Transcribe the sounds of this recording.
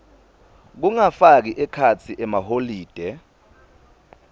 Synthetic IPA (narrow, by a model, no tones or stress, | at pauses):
k̬uŋafak̬iʔɛkʰat͡sʰiʔɛmaɦoliːd̥ʱɛ